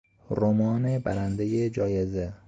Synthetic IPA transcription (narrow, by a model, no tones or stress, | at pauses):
ɾomɒːnebæ̰ɾænd̪ejed͡ʒɒːjeze